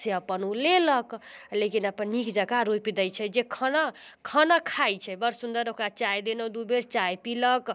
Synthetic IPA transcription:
seəpənuleləklekinəpənːikd͡ʒəɡaɾojpid̪əjt͡ʃʰɛd͡ʒekʰənakʰənakʰajt͡ʃʰɛbəɾsund̪əɾokɾat͡ʃajd̪enod̪ubeɾt͡ʃajpilək

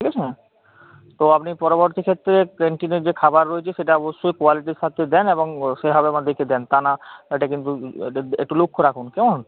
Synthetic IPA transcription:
ʈʰikɛt͡ɕʰea | t̪oapnipɔɾoboɾt̪ikʰet̪ːɾekeɳʈineɾd͡ʑekʰabaɾːoet͡ɕʰeʃeʈaɔboʃːojkwaliʈisʃat̪ʰːed̪ɛneboŋʃeɦɔbeamad̪ʱeked̪ɛnt̪anaeʈakint̪uḛk̚ʈulukʰːoɾakʰunkɛmon

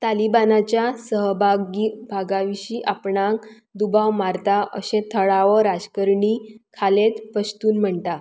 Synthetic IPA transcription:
t̪alibanat͡ɕjasəɦbʱaɡibʱaɡaʋiɕiːʔapɳãk | d̪ubawmaɾt̪aʔə̰ɕẽt̪ʰəɭaʋəɾad͡zkəɾɳiːkʰalet̪pəst̪uːnm̤əɳt̪a

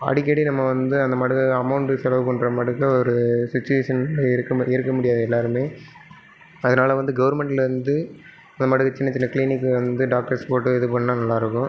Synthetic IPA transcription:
ɐ̰ɽɪk̬ːɐɽinɐmːɐʋɐnd̪ɯɐnd̪ɐmɐɽɯɣɐɐmɐʊɳʈɯsɛlɐʋɯpɐɳɖɾɐmɐɽɯɣɐɔɾɯsɪt͡ʃːʊʋeːʂɐnlɐɾɯkːɐɪɾɯkːɐmʊɽɪjaːðɯɛlːaːɾɯmeː | ɐðɐnaːlɐʋɐnd̪ɯɡɐʋɐɾmɛɳʈɪlʋɐnd̪ɯ | ɐnd̪ɐmɐɽɯɣɐt͡ʃːɪnːɐt͡ʃːɪnːɐkliːnɪkːɯʋɐnd̪ɯɖaːk̚ʈɐɾspoːʈːɯɛðɯpɐnːaːnɐlːaːɪɾɯkːʊ̃

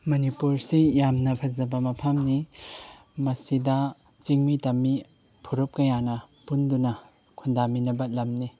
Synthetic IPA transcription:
mɐnipuɾsijamnɐpʰɐzɐbɐmɐpʰɐmni | mɐsidɐ | t͡ʃiŋmitɐmːi | pʰuɾup̚kɐjanɐpundunɐ | kʰundaminɐbɐlɐmni

